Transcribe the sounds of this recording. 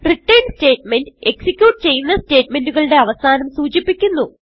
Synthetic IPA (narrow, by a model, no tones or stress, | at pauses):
riʈːɐjnste̞ːʈme̞ndɨe̞ksikʲjuːʈɨt͡ɕe̞jːunːɐste̞ːʈme̞nduɣɐɭɽe̞ɐʋɐsaːnɐmsuːt͡ɕipːikʲːunːu